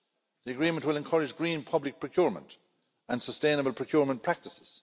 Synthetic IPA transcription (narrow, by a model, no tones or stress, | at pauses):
ðiəɡɹĩmə̃nʔwɪlɛ̃nkʰʌɹɪd͡ʒɡɹĩːnpʰʌblɪk̚pʰɹ̥ɔkʰj̥ʊːɹmə̰̃nt | ə̃nsəstẽɪ̃nəbəlˠpʰɹ̥əkʰj̥ʊːɹmə̃npʰɹ̥æk̚tɪsɪz̥